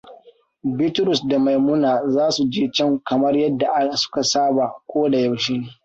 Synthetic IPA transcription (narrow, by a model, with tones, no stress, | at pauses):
bɪ˦tɾʊ˨sda˨ma˨jmʊ˦naː˨zaː˦su˨d͡ʒeː˦t͡ʃɛ˦˨ŋkɐ˨mɐ˦rjɐ˦dːa˨ʔa˦sʊ̥˦ka˨saː˦ba˨kʷoː˦da˨ja˨wʃi˦ŋ˨